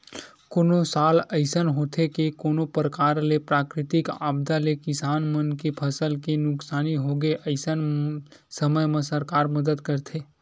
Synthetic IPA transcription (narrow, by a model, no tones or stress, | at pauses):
koːnosaːləɪsənɦoːt̪ʰekekoːnopɾəkaːɾlepɾaːkɾɪt̪ɪkaːbd̪alekɪsaːnmənkepʰɐsəlkenʊksaːniɦoɡeʔəɪsən | səməjmẽsəɾkaːɾməd̪əd̪kəɾt̪ʰeː